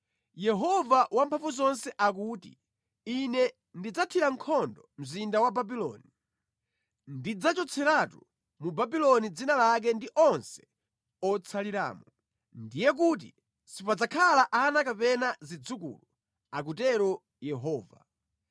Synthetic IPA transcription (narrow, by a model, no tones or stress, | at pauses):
jɛɦɔvawampʰaɱvuzɔnsɛʔak̬uːtḭ | inɛ | ndid͡zatʰiɾaŋ̩kʰɔndɔm̩zindawababilɔ̰ːni | ndid͡zat͡ʃɔt͡sʰɛɾatu | mubabilɔnid͡zinalak̬ɛndiʔɔnsɛ̥ | ɔt͡sʰaliɾa̰ːmɔ | ndijɛk̬ut̬ḭ | sipad͡zakʰalaʔanakapɛnazid͡zukṵlu | ak̬utɛɾɔ | jɛɦɔːva̰